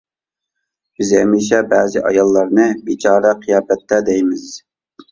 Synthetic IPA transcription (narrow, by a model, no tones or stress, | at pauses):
b̥ɪzɛmiʃɛbɛːzɪʔɑjɑlˠːɑɾnɨbit͡ʃʰɑːɾɛqʰijɑːbɛt̪ʰːɛd̪ɛjmɪz̥